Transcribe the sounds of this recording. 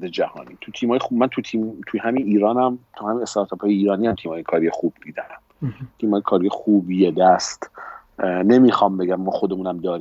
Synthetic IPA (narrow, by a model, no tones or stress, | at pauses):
d̪ed͡ʒæhɒ̰ːniːt̪ʰut̪ʰiːmɒːjeumænt̪ʰut̪ʰiːmt̪ʰujhæminiːɾɒːnæmt̪ʰuhæmiːnest̪ɑɾt̪ʰɒpʰɒːjeiːɾɒːniːhæmt̪ʰiːmhɒːjekʰɒːɾijexuːb̚d̪iːd̪eæm | t̪ʰiːmhɒːjekʰɒːɾijexuːbjed̪æst̪ | nemixɒmbeɡæmːɒːxod̪emuːnæmd̪ɒːɾiː